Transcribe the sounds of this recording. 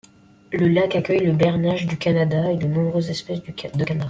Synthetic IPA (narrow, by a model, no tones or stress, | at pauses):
ləlakakʲœjləbɛʁnaʒd̪ykanad̪aed̪ənɔ̃bʁøzɛspɛsd̪d̪əkanaʁa